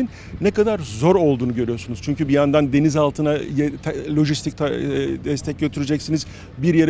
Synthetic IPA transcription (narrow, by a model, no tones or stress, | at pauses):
in | nɛkad̪aɾzo̞ɾo̞lˠd̪uːnuɟø̞ɾyjo̞ɾsunuz̥t͡ʃʰyɲcybijand̪and̪e̞nizalˠt̪ʰɯnajɛlʲo̞ʒist̪ʰic̚t̪ʰad̪ɛst̪ʰɛc̚ɟʲøt̪ʰyɾed͡ʒɛcsiniz | biɾje̞ɾ